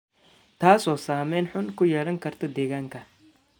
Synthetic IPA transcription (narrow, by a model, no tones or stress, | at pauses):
t̪ʰaːsɔːsaːmɛːnħʊnkʰʊjɛlɐŋkʰɐrt̪ʰɔd̪ɛːɣaːŋkʰɐ